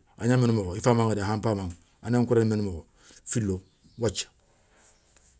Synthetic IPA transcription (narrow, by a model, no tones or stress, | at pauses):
aɲamenumooifamãŋadeɦãmpamaŋ | anaŋkuɾanmenumoɡo | filːo | wat͡ʃḁ